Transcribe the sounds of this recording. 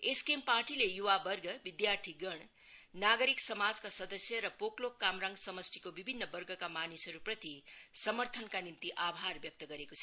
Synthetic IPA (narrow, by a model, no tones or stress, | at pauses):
eskemparʈilejuwabʌrɡʱʌbid̪jart̪ʰiɡʌɳ̃ | naɡʌɾiksʌmad͡zkasʌd̪ʌsjʌɾʌpoklokːamɾaŋɡsʌmʌst̪ʰikobibʱinːʌbʌrɡʌkamanisɦʌɾuprʌt̪isʌmʌrt̪ʰʌnkanint̪iʔabʱarbjʌk̚t̪ʌɡʌɾekot͡sʰʌ